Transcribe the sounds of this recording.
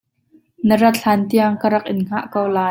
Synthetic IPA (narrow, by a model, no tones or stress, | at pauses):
nəɾɐt̪̚ɬʰaːnt̪iəŋkəɾɐk̚ʔɪnŋ̥aʔkowlaː